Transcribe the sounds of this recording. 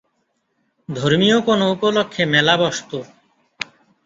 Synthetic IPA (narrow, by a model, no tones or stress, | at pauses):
d̪ʱoɾmijokonoupolokʰːemɛlabɔst̪o